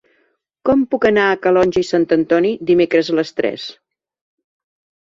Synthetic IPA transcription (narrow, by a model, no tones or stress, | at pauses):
kɔmpukənaəkəlɔnʲʒəisant̪ənt̪ɔnid̪imekɾəzələst̪ɾɛ̰s